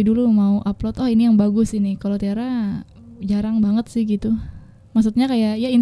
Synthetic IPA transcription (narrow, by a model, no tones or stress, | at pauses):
idulumauʔaplɔt̪ɔinijaŋbaɡʊsinɪkalot̪iaɾa | d͡ʒaɾaŋbaŋət̪̚sɪhɡit̪u | maks̬ut̪̚ɲakajajain